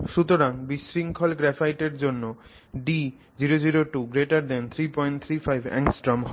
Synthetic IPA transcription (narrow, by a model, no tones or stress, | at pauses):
ʃut̪oɾaŋbiʃɾiŋkʰɔlɡɾɛfajʈeɾd͡ʑonːo | ɖi | d͡ʑiɾod͡ʑiɾoʈuɡɾeʈaɾd̪ɛnt̪ʰɾipɔjɳʈ̚t̪ʰɾifʰajbʱɛ̰ŋsʈɾɔmɦ